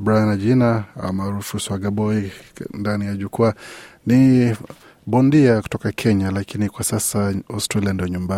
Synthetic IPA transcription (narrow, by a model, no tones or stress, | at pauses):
bɾajanad͡ʒinaa̰maɾufuswaɡabɔindanijaʄukuani | bɔndiaku̥tɔkakʰɛɲalakinikwasasaɔstɾaliandijɔɲumba